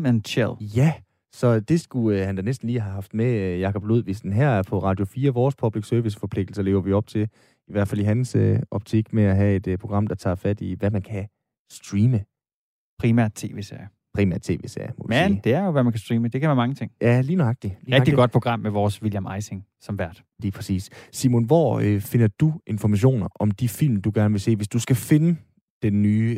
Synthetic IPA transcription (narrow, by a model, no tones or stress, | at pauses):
ənɕʰeljæ | sɒ̽d̥e̝sɡ̥uhænd̥ænesd̥n̩liːɦæɦɑ̈fd̥mejɑ̈kʰɒ̽b̥lo̝ð̞̰ˠʋisd̥n̩ɦæɐæɐpʰɒ̽ʁɑ̈ːd̥jo̝fiːɐʋɒːspʰɒ̽b̥liɡ̥søɐʋisə̥fɒ̽pʰle̝ɡ̥d̥l̩sɐle̝ːʊɐʋiɒ̽b̥t͡sʰe̝l | iʋæɐ̰̥fæl̰iɦænsøɒ̽b̥̚t͡sʰiɡ̥meæɦæe̝d̥əpʰʁo̝ɡʁɑ̈m̰d̥ɑ̈t͡sʰɑ̰̈ːfæd̥iʋæmænkʰæ | sd̥ʁiːmə | pʰʁiːmæɐ̰d̥̚t͡sʰe̝ːʋe̝sḛɐ̰ | pʰʁiːmæ̰ɐd̥̚t͡sʰe̝̰ːʋe̝̰ːsḛɐmɒʋseːd̥e̝æɐjoʋæmænkʰæsd̥ʁiːməd̥e̝kʰæʋæːɐmɑ̈ŋət͡sʰeŋjæliːnɑ̈ɡ̥̚d̥iliːɛɡd̥i̥ɡɒ̽d̥̚pʰoɡ̥ʁɑ̈m̰meʋɒːsʋiljæmɑɪseŋ | sɒ̽mʋæɐ̰d̥ | liːpʰʁɛsḭːssḭmonʋɒ̰ːfe̝nɐd̥uʔe̝nfɒmæɕ̬o̝̰ːnɐʔɒ̽md̥ifil̰md̥uɡ̥æɐnəʋe̝se̝̰ːʋe̝sd̥usɡ̥æfe̝nə | d̥enːyː